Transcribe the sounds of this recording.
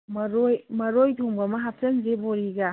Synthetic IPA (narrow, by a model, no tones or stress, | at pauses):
mɐɾojmɐɾojtʰoŋbɐmɐɦap̚sɐnzeboɾiɡa